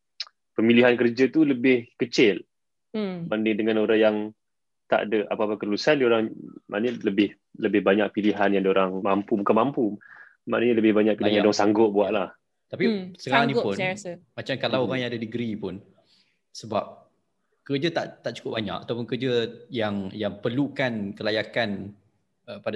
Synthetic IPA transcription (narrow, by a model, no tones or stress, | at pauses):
pəmiliɦankərd͡ʒat̪uləbɪhkət͡ʃɪl | bandɪŋdəŋanoɾaŋjaŋ | t̪a̰ʔa̰dəʔa̰papakəlulusanlioɾaŋma̰ʔnəɲələbɪh | ləbɪhbaɲak̚piliɦanjaŋadoɾaŋmampubukanmampu | ma̰ʔnəɲələbɪhbaɲak̚piliajadaŋsaŋɡʊʔ̚buwaʔlah | t̪apisəkaɾaŋnĩpʊnmat͡ʃamkalawoɾaŋjaŋadadəɡɾipʊn | səbap̚ | kərd͡ʒat̪aʔt̪aʔt͡ʃu̥kʊbaɲa̰kat̪awp̬ʊnkərd͡ʒəjaŋjaŋpərlukankəlajakan | əpada